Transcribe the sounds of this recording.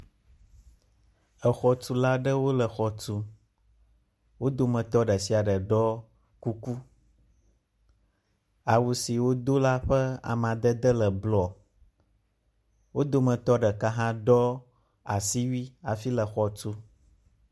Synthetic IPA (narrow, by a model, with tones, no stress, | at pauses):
ə˨xɔ˨tu˦la˦ɖə˦wo˦lə˨xɔ˨tu˦ | wo˦d̪o˦mə̃˨t̪ɔ˦ɖə˨si˨a˨ɖə˨ɖɔ˦ | ku˦ku˦ | a˨wu˨si˨wo˦d̪o˦la˦ɸə˦a̰˨mã˨d̪ə˦d̪ə˦lə˨blɔ˨ | wo˦d̪o˦mə̃˨t̪ɔ˦ɖə˨ka˦ɦã˦ɖɔ˦ | a˨si˦wi˦a˨fi˦lə˨xɔ˨tu˦